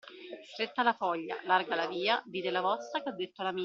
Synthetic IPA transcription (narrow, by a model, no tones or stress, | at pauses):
st̪ɾet̪ːalafɔʎːa̰larɡalaviːad̪iːd̪elavɔst̪akad̪ːet̪ːolami